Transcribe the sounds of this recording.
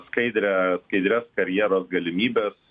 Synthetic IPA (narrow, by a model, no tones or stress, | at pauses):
skɐɪd̪ʲɾʲæskɐɪd̪ʲɾʲeːskɐɾʲjiːɾoːsɡɐlʲɪmʲiːbʲeːs